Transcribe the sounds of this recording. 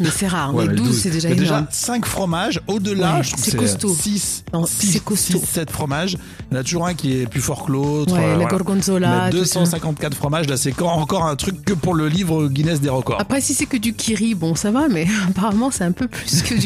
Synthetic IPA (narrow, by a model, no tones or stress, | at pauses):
mɛsɛʁaʁwmɛd̪uzsɛd̪eʒad̪eʒasɛ̃kfχɔmaʒod̪əlaʒət̪χuvsɛsɛkɔst̪osisnɔ̃isɛkɔst̪osɛt̪fχɔmaʒ | ɔ̃nat̪uʒuʁɛ̃kʲiɛplyfɔʁkəlot̪wɛlaɡɔʁɡɔ̃nzolad̪øsɑ̃sɛ̃kɑ̃t̪̚kat̪χfχɔmaʒlasɛkɑ̃ɑ̃kɔʁɛ̃t̪χykːəpuʁləlivʁəɡʲinɛs̬d̪eʁəkɔ̰ʁapχɛsisɛkəd̪ykʲʰiʁibɔ̃savamɛapaʁamɑ̃sɛt̪ɛ̃pøplyskəd̪y